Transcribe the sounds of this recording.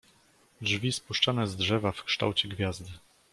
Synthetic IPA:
dʐvʲispuʂt͡ʂanɛzdʐɛvafkʂt̪a̰wt͡ɕɛɡvʲjazd̪ɘ

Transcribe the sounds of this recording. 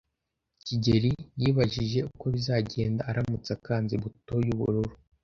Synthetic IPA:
ciɟe̞ɾijiːβaʒiʒe̞uko̞βizaɟe̞ːndaːɾamut͡sakaːnziβuto̞juβṵɾuɾu

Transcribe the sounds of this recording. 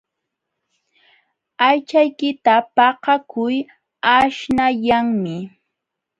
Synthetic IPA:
ajt͡ʃajkɪt̪apɑqɑkʊj | aʃnaʎaŋmɪ

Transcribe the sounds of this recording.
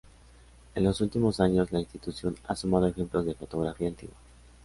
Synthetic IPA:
e̞nlo̞sult̪imo̞saɲo̞zlainst̪it̪usjo̞na̰sumaðoexe̞mplo̞zðe̞fo̞t̪o̞ɣɾafiaent̪ḭɣwa

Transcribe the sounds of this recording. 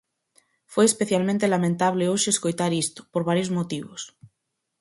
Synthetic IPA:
fojespeθjalmẽnt̪elamẽnt̪aβleoʃeːskojt̪aɾist̪o̥poɾβaɾjozmot̪iβo̰s

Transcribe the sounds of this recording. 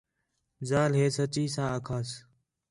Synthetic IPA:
zaːlɦeːsət͡ʃiːsãːəkʰaːs

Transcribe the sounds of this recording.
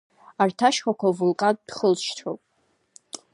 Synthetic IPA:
artʰaʃχʷakʷavulqʼad̚d̥χəlʃtʰopʼ

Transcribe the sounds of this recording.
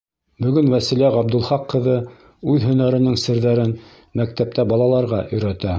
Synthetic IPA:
bɵ̆ɡɵnwæsilæʁɑb̚d̪ɵ̆lˠχɑqːɤ̆ðɤ | ʉðɦɵ̆næɾɘ̆nɘŋsɘ̆ɾðæɾɘn | mæk̚t̪æp̚t̪æbɑlˠɑlˠɑɾʁɑʔɵ̆jɾæt̪æ

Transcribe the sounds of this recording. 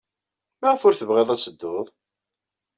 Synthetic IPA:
mæʁəfʊɾθəvʁeðˤæsəd̪ːoðˤ

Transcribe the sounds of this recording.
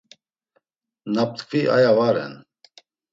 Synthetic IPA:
nap̚t̪kʰviʔa̰javaɾɛ̰n

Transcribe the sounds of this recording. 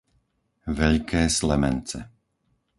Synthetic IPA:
ʋɛʎkɛːslɛmɛnt͡sɛ̰

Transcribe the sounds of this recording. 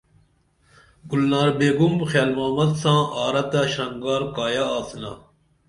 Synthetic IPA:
ɡulnaːɾbeːɡumbxjaːlmaːmɐd̪sãːaːɾɐt̪aɕɐŋɡaːɾkaːjaaːsna̰ː

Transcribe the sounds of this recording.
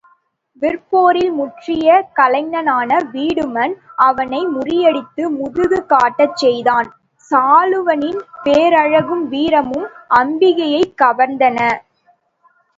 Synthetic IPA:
ʋɪrpoːɾɪlmʊʈrɪjɐkɐlɐɪnɐnaːnɐʋiːɽɯmɐnʔɐʋɐnɐɪmʊrɪjɛɽɪt̪ːɯmʊðɯɣɯkaːʈːɐt͡ʃːɛjðaːn | saːlɯʋɐnɪnpeːɾɐɻɐɣɯmʋiːɾɐmɯmʔɐmbɪɣɐjɐɪkːɐʋɐɾnd̪ɐnɐ

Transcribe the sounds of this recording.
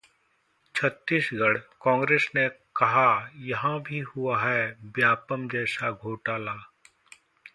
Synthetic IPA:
t͡ʃʰət̪ːiːsɡɐɽkɔ̃ːŋɡɾeːsnekɐɦajɐɦãbʱiɦuaɦɛbjaːpəmd͡ʒɛːsaɡʱoːʈaːlaː

